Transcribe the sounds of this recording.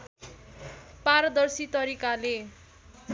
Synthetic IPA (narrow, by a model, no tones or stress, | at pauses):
paɾʌd̪ʌrsit̪ʌɾikale